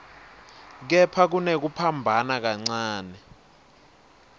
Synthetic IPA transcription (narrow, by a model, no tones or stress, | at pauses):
k̬ɛpʰak̬unek̬upʰambʱanak̬aŋ͡ǀaːnɛ